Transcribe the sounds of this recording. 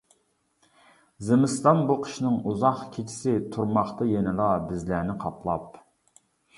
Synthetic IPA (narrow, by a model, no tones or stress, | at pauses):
zemɪst̪ɑnbuqʰə̥ʃnɪŋuzɑχkʲʰet͡ʃʰi̥sɪt̪ʰuɾmɑχt̪ɑjenɨlˠɑbɪzlæːnɪqʰɑpʰlˠɑp̚